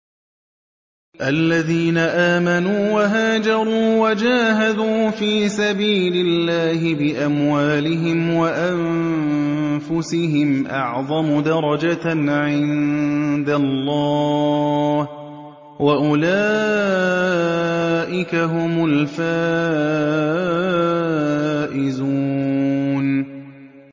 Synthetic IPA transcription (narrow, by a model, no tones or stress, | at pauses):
ʔalːaðiːnaʔaːmanuːwaɦaːd͡ʒɑɾˤuːwad͡ʒaːɦad̪uːfiːsabiːlɪlːaːɦɪbɪʔamwaːlɪɦɪmwaʔa | fʊsɪɦɪmʔɑ̰ʕðˤɑmʊd̪ɑɾˤɑd͡ʒaʕɪnd̪alːɑː | h | waʔʊlaː | ʔɪkaɦʊmʊlfaː | ʔɪzuːn